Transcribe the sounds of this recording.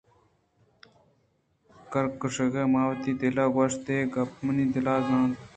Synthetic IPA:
kɐɾkəʂəɣemaːwt̪iːd̪elaːɡɐʂt̪eːɡɐpməniːd̪elaːzãːt̪

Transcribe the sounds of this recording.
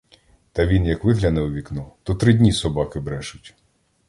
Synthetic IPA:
t̪ɐʋʲinjɐkʋɪɦlʲɐnɛʊʋʲiknut̪ɔt̪ɾɪdʲnʲisɔbɑkɪbɾɛʒʊtʲ

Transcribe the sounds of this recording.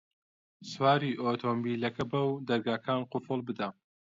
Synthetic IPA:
swaːɾiːʔoːt̪ʰombiːlɐkɐbɐwd̪ɐɾɡaːkʰaːnqʊfɨlˠbɨd̪ɐ

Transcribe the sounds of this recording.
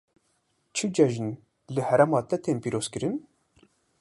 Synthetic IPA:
t͡ʃʰɨd͡ʒɛʒɨn | lɨhɛɾɛmɑːt̪ɛt̪ʰeːnpiːɾoːz̥kɨɾɨn

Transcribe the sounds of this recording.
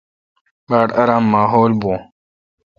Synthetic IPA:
baːʈɐɾãːmːaːɦoːlbõː

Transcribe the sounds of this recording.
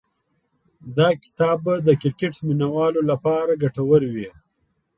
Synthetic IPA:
d̪ɑkɪ̥t̪ɑːbad̪əkɪɾkeʈminawɑːlolapɑːɾaɡaʈawəɾwi

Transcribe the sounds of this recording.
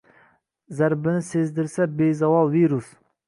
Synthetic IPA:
zæɾbɪnɪsezd̪ɪɾsɛbezɑwɑlˠviɾus

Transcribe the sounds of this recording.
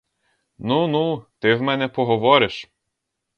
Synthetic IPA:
nunut̪ɪwmɛnɛpɔɦɔʋɔɾɪʃ

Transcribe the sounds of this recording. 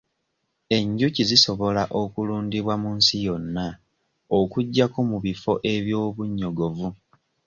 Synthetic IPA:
e̞ɲɟuciziso̞βo̞laʔo̞kuluːndiβwamunsijo̞nːa | okuɟːako̞muβifo̞ʔe̞βjo̞ːβuɲːo̞ɡo̞vu

